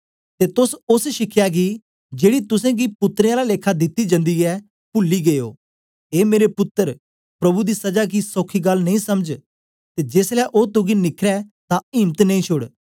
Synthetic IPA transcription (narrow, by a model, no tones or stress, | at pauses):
t̪eːt̪ʊsʊsʃɪkʰjaɡi | d͡ʒeːɽit̪ʊsɛ̃ɡipʊt̪ːɾẽaːlaleːkʰːad̪ɪt̪ːid͡ʒə̃nd̪iɛː | pʊlːiɡeːo̰ː | eːmeːɾepʊt̪ːəɾ | pɾɐbud̪iːsɐd͡ʒaːkisoːkʰiɡɐlnɐ̃ĩːsɐməd͡ʒ | t̪eːd͡ʒeːslaʔot̪ʊɡinɪkʰɾɛt̪ãɪ̃ːmt̪nɐ̃ĩːt͡ʃʰʊɽ